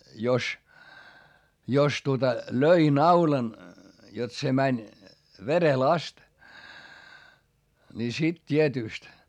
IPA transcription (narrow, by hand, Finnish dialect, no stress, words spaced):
jos jos tuotɑ løi nɑulɑn jot se mænʲ ʋerel ɑst ni sit tʲietyˑst